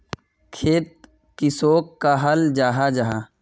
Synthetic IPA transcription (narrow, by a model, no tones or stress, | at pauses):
kʰeːt̪̚ | kɪsoːkːaɦəld͡ʒaːɦad͡ʒaɦaː